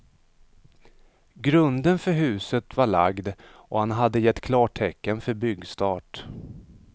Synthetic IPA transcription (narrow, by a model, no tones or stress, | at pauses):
ɡɾɵnd̪ənfœɾɦʉ̟ːsət̪vaɭaɡd̪ | ɔhanɦad̪ːəjɛt̪ːkʰlɑːʈʰɛkːənfœɾbʏɡst̪ɑːʈ